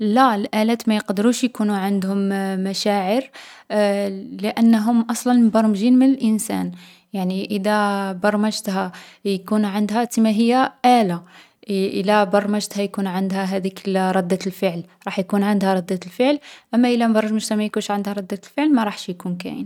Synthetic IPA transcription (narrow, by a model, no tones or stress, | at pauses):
lælʔælæt̪mæjəqd̪əɾuʃjkunuʕand̪hʊmːæʃæʕəɾ | ləʔænːɦʊmʔɑsˤlɑnmbɑɾˤmʒinmənəlʔənsæ̰n | jaʕniʔəd̪æbɑɾˤmæʒt̪hæ | jkunʕand̪ɦæt̪imæɦəjːæʔæla | ʔəlːæbɑɾˤmæʒt̪hæjkunʕənd̪hæɦæd̪iklɾˤɑd̪ːælfəʕlɾˤɑħjkunʕand̪hæɾˤɑd̪ːælfəʕlʔæmːæʔəlːæmbɑɾˤɑʒmæʒt̪hæmæjkunʃʕand̪hæɾˤɑd̪ːæt̪lfəʕlmæɾˤɑħʃjkunkæ̰jə̰n